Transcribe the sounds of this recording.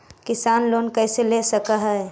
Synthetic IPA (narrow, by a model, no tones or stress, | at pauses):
kɪsaːnloːnkɛːselesəkaɦɛɛ